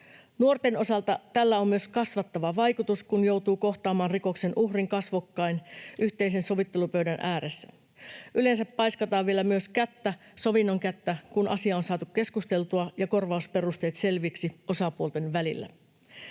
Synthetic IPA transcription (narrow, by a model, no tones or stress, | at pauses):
nuo̞rt̪e̞no̞sɑlt̪ɑt̪ælːæo̞mmyøskɑsʋɑt̪ːɑʋɑʋɑjkut̪uskunjo̞wt̪uːko̞xt̪ɑːmɑːnriko̞kse̞nʔuhriŋkɑsʋokːɑinʔyçt̪eis̬e̞nso̞ʋit̪ːe̞lupøyɥdænʔæːɾesːæ̥ | ʔyle̞nsæpːɑjskɑt̪ɑːʋʋie̞læmyøskæt̪ːæso̞ʋinːo̞ŋkæt̪ːækunʔɑ̰siɑonsɑːt̪ukke̞skust̪e̞lt̪uɑjɑko̞rʋɑuspe̞rust̪e̞jt̪se̞lʋiksiʔo̞sɑpuolt̪enʋælilːæ̰